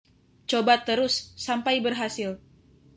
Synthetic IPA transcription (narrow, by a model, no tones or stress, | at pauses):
t͡ʃobat̪əɾʊsːampajbərɦasɪl